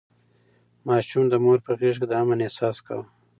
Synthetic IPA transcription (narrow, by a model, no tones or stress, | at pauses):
mɑːʃumd̪əmoɾpəɣeʐked̪əamanesɑːska̰w